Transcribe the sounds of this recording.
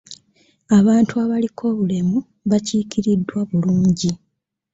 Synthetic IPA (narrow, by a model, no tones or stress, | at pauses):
aβaːntuaβalikʰo̞ːβule̞mu | βaciːkiɾidːwaβuluːɲɟi